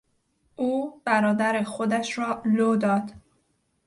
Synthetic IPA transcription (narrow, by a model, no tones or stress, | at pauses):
ʔuːb̥æɾɒːd̪æɾexod̪æʃɾɒːloːd̪ɒːd̪